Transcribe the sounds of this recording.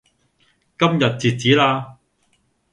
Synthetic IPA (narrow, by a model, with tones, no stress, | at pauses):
kɐ˥mjɐ˨t̚t͡siː˨˧t̚t͡siː˨˥laː˧